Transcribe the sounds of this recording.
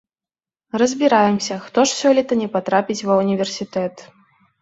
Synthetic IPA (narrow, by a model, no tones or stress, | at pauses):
rɐzʲbʲiɾajɛmsʲɐxt̪ɔʂsʲɔlʲit̪ɐnʲɛpat̪ɾapʲit͡sʲvɐunʲivʲɛrsʲit̪ɛt̪